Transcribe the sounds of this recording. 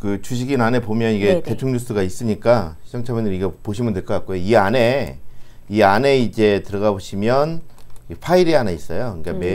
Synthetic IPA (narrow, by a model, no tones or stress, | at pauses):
kɯt͡ɕuɕ̬ʰiɡinane̞pomjʌniɡe̞te̞tʰuŋɲus͈ɯɡais͈ɯɲik͈aɕʰid͡ʑʌŋt͡ɕʰamenɯɾiɡepoɕʰimɯnteɭk͈ʌk͈ak͈ojoiane̞ | iane̞id͡ʑe̞tɯɾʌɣaboɕʰimjʌniɸʰaiɾianeis͈ʌjokɯkame